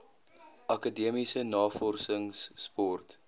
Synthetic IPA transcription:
ʔɐkədiəmisənɑːfɔrsəŋsːpɔrt

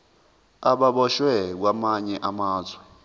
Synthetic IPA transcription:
aɓaɓɔʃwɛk̬wamaɲɛʔamaːzwɛ

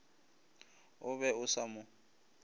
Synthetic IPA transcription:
ʊβɛʊsamʊ

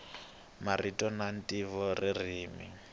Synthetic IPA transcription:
maritʼɔnan̩tʼivɔririːmḭ

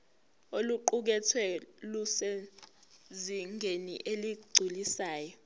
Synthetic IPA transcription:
oluǃuk̬ɛtʰwɛlusɛ | ziŋʱenḭʔeliɡ͡ǀʱulisaːjɔ

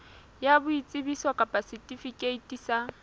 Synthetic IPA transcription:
jabʊit͡sʼɪbisɔkʼapʼasitʼifikʼeitʼisa

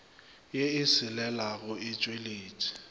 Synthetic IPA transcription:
jeɪsɪlɛlaɣʊɪt͡ʃʼweleːtʰʼi̥

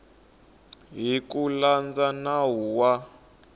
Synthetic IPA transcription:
ɦikuland͡zanaɦuwa

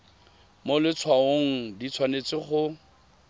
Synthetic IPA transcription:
molɪt͡sʰwaoŋ̩dit͡sʰwanet͡sɪχʊ

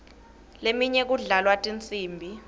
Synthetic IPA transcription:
lemiɲɛk̬uɮalwatʼint͡sʼiːmbʱi

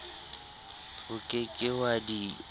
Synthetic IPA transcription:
ʊkʼekʼɪwadi

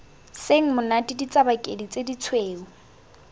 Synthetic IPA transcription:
seŋ̩mʊnatʼidit͡sʼabakʼedit͡sʼedit͡sʰweːʊ

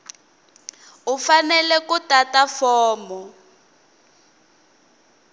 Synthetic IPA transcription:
ufanɛlɛkutatafɔːmɔ

